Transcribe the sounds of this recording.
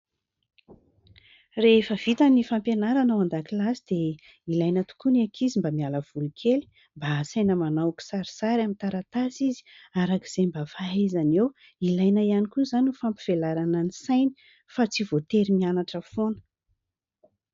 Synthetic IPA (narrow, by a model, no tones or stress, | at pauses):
refəv̥it̪anifampjenaɾanawand̪akilasid̪̥e | ilajnət̪u̥kunakʰizimbamialəv̥ulukʰeli̥ | mbasajnəmanawku̥saɾi̥saɾamint̪aɾat̪asizi̥aɾaki̥z̥embafaazanew | ilajnaianikuzanufampi̥v̥elaɾanənisajni̥ | fat͡sivot̪eɾimianaʈ͡ʂəfonə̥